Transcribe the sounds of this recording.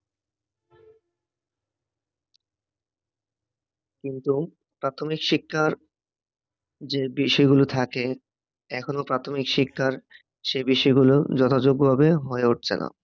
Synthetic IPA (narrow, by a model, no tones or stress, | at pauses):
kint̪u | pɾat̪ʰomikʃikʰːaɾ | d͡ʑebiʃɔeɡulot̪ʰake | ɛkʰonopɾat̪ʰomikʃikʰːaɾ | ʃebiʃɔeɡulod͡ʑɔt̪ʰad͡ʑoɡobʱabeɦɔeuʈ̚t͡ɕʰena̰